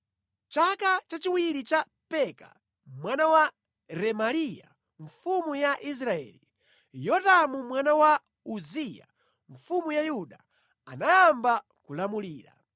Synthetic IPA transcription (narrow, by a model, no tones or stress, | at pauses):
t͡ʃakat͡ʃat͡ʃiwiɾit͡ʃa | pɛka̰ | mwanawa | ɾɛmalija̰ | ɱfumujaʔis̬ɾaɛ̰ːli | jɔtamumwanawa | uzija̰ | ɱfumujajuɗa | anajamba | kulamuliːɾa̰